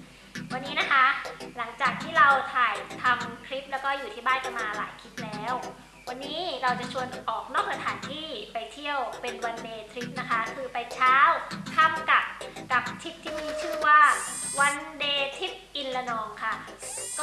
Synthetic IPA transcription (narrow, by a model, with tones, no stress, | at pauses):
wa˧nːiː˦˥na˦˥kʰa˦˥la˩˦ŋt͡ɕaː˨˩k̚t̪ʰiː˥˩ɾa˧wt̪ʰaː˨˩jt̪ʰa˧mkʰɾi˦˥p̚lɛː˦˥wkɔː˥˩juː˨˩iː˥˩baː˥˩nka˨˩maː˧la̰ː˨˩˦jkʰi˦˥t̪̚lɛː˦˥w | wa˧nːiː˦˥ɾa˧wt͡ɕa˨˩t͡ɕʰu˧ənʔɔː˨˩k̚nɔː˥˩k̚sa˧t̪ʰaː˩˦nt̪ʰiː˥˩pa˧jt̪ʰi˥˩əwpe˧nwa˧ndeː˧t̪ʰɾi˦˥p̚na˦˥kʰa˦˥kʰɯː˧pa˧jt͡ɕʰaː˦˥wkʰa˥˩mka˨˩p̚ka˨˩p̚t̪ʰi˦˥p̚t̪ʰiː˥˩miː˧˥t͡ɕʰɯː˥˩waː˥˩wa˧ndeː˧t̪ʰi˦˥p̚ʔi˧nla˧nɔː˧ŋkʰa˥˩k